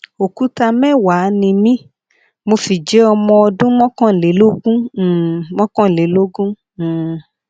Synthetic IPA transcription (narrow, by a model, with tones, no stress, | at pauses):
o˨ku˦ta˧mɛ˦˨wa˨˦nĩ˧mĩ˦ | mo˧fi˨d͡ʒɛ˨˦ɔ˧mɔ̃˧ɔ˧dũ˦mɔ̃˦kɔ̃˦˨le˨˦lo˦ɡũ˦˨mɔ̃˦kɔ̃˦˨le˨˦lo˦ɡũ˦˨